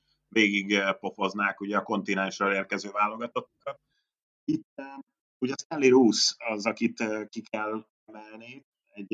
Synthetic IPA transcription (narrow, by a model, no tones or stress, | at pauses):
veːɡiɡpo̞fo̞znaːkuɟɛɒko̞n̪t̪inɛnʃroleːrkɛzøːvaːlːo̞ɡɒt̪o̞t̪ːukɒt̪̚ | it̪ː | uɟɛsɛnliɾusɒzɒkit̪kikʰɛl | ɛmɛlniː | ɛɟ